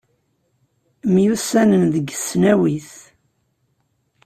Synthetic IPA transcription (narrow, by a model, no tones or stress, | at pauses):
mjusænənðəɡəsnæwiθ